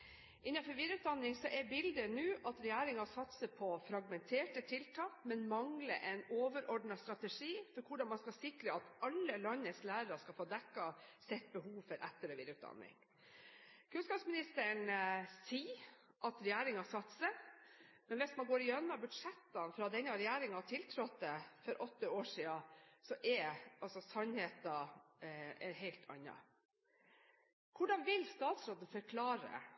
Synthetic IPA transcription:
ʔɪnːɑnfɔɾʋiːd̪əʉːt̪̚d̪ɑnːɪŋsɔʔɛɾbɪld̪ənʉːʔɑt̪ɾɛjæːɾɪŋɑsɑt̪səpʰɔfɾɑɡmɛnt̪ʰeːʈət̪ʰɪlt̪ʰɑːkmɛnmɑŋlə̰ʔɛɪnoːʋəɾɔɖɳɑst̪ɾɑt̪əʂiːfɔɾkʰʊɖɑnmɑnskɑlsɪkɾəɑt̪ɑlːəlɑnːəslæːɾəɾɑskɑlfoːd̪ɛkːɑsɛt̪̚ːbəɦuːʋfɔɾʔɛt̪ːəɾɛʋɪːd̪ɾʉːt̪̚d̪ɑ̰nːɪ̰ŋ | kʰʉnskɑːpsmɪnɪst̪əɳsiː | ʔɑt̪ɾɛjæːɾɪŋɑsɑt̪ːsə | mɛnʋɛsmɑnɡoːɾɪjœnːɑbʉd̪ʂɛt̪ːɑnfɾɑd̪ɛnːɑɾɛjæːɾɪŋhɑʈʰɪlt̪ʰɾɔt̪̚d̪əfɔɾʔɔt̪ːəoːʂiːɑsɔʔɛɑlsɔsɑnheːt̪ɑ | ɦɛɪlt̪ʰɑ̰nːɑ̰ | kʰʊɖɑnʋɪlːst̪ɑːt̪sɾoːd̪n̩fœɾkʰlɑːɾə̰

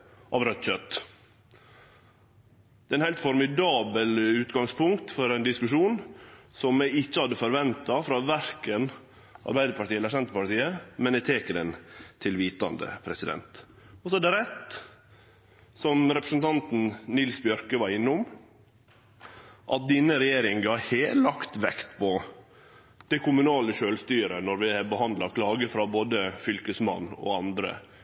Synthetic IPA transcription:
ʔɑ̰ʋɾœt̪t͡ʃœt̪ː | d̪̥ɛːɛnhæɪlt̪fɔɾmɪd̪ɑːbəlʉːt̪ɡɑŋspʰʊŋkt̪fɔɾɛɪnd̪ɪskʉʂuːnsɔmːɛɡɪt͡ʃːəhɑd̪ːəfɔɾʋɛnt̪ɑfɾɑːʋæɾkən | ɑ̰ɾbæɪd̪əɾpɑʈ̪tiːɛləɾsɛnt̪əpɑʈt̪iːəmɛnɛt̪ʰeːkəd̪ɛnt̪ʰɪlʋiːt̪ɑ̰nd̪ə̰pʰɾɛsɪd̪ɛ̰nt̪ | ɔsɔæɖ̪ɛɾɛt̪ | sɔmɾɛpɾə̥sn̩t̪ʰɑnt̪n̩nɪlsbjœɾkəʋɑɾɪnːʊm | ʔɑt̪̚d̪iːnəɾɛjeːɾɪŋɡɑheːlɑkt̪ʋɛkt̪pʰɔ | d̪̥ɛkʰʊmʉnɑːləʃøːlst̪yːɾənɔɾʋɪɛbəhɑnd̪lɑkʰlɑːɡəfɾɑboːd̪əfʏlkəsmɑ̰nːɔ̰ɑnd̪ɾə̰

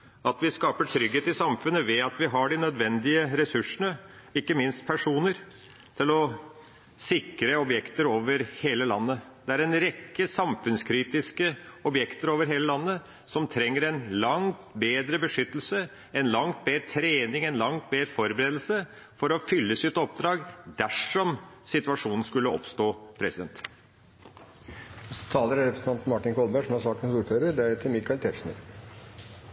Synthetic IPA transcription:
ɑt̪ʋɪskɑːpəʈʰɾʏɡːeːt̪ɪsɑmfʉnːəʋɛɑt̪ʋɪɦɑɖɪnœd̪ʋɛnd̪ɪəɾɛsʉʂəɳəɪkːəmɪnst̪̚pʰæʂuːnəɾ | t̪ʰɪlɔ | sɪkɾəɔbjɛkt̪əɾoːʋəɾheːləlɑ̰nːəd̪̥ɛæɾɛnɾɛkːəsɑmfʉnskʰɾiːt̪ɪskəɔbjɛkt̪əɾoːʋəɾɦeːləlɑnːə | sɔmt̪ʰɾɛŋːəɾɛnlɑŋt̪beːd̪ɾəbəʂʏt̪ːəl̩sə | ɛnlɑŋt̪̚beːɾt̪ʰɾeːnɪŋɛnlɑŋt̪̚beːɾfɔɾbəɾeːd̪l̩sə | fɔɾɔfʏlːəsɪt̪ɔp̚d̪ɾɑːɡd̪æʂɔmsɪt̪ʉɑʂuːnn̩skʉlːəɔ̰pst̪oːpʰɾɛsɪd̪ɛnt̪ | ɔst̪ʰɑːləɾɾɛpɾəsn̩ʰɑnt̪mɑʈɪnkʰɔlbæʂɔmhɑɾsɑːkʈənsuːɾføːɾəɾɖ̪ɛæɖɛt̪ʰɪlmɪkɑɪlt̪ʰɛɾʂmə̰ɾ

